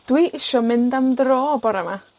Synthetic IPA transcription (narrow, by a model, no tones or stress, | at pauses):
d̥wiʔɪʃɔmɪndamdroːbɔɾama